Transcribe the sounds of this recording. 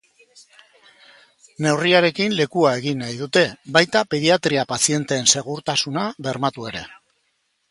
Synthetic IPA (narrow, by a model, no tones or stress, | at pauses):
ne̞wriaɾe̞kinle̞kuae̞ɣinːajðut̪e̞βajt̪ape̞ðiat̪ɾiapasie̞nt̪e̞ːnse̞ɣ̞uɾt̪asunaβe̞ɾmat̪ue̞ɾe̞̰